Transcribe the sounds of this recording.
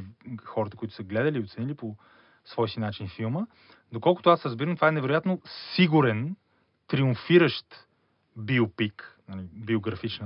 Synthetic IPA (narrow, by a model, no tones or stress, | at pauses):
xɔɾət̪əkʊit̪ʊ̥səɡlɛd̪əliːot̪sɛnilipo | svɔjsinat͡ʃinfilˠmə | d̪okɔlˠkʊ̥t̪oasɾəzbiɾəmt̪ovaɛnɛvɛɾojat̪nosiɡuɾɛn | t̪ɾiʊɱfiɾəʃt̪ | biopiknalibioɡɾɐfit͡ʃnə